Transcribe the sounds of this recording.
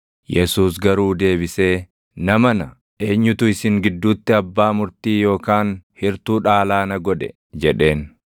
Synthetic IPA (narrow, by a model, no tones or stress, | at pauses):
jɛsuːsɡɐɾuːd̪e̞ːbɪse̞ː | nɐmɐnɐ | e̞ːɲːʊt̪ʊɪsɪŋɡɪd̪ːuːt̪ːɪɐbːaːmʊɾt̪iːjo̞ːkaːnhɪɾt̪uːᶑaːlaːnɐɡɔᶑɛ̰ | d͡ʒɛᶑe̞ːn